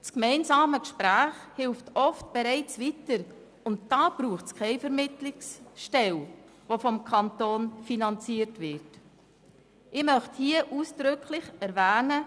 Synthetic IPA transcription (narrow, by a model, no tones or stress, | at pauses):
skmɛɪnzɑːməkʃpɾæːχhɪlftɔftb̥ɛɾɛɪt͡svitəɾ | ʊntd̥ɑːb̥ɾuːχtt͡skʰɛɪfɛɾmɪtlɪksʃtɛl | vofɔmkʰɑntoːnfinɑnt͡siəɾtvɪɾt | ʔɪmœχthiəʔuːsd̥ɾʏkʰlɪχɛɾvæːnə